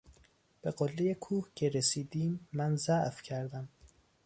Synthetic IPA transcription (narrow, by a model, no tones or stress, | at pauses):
b̥eɢolːejekʰuːhcʰe̞ɾesiːd̪iːmːænzæʔfcʰæɾd̪æm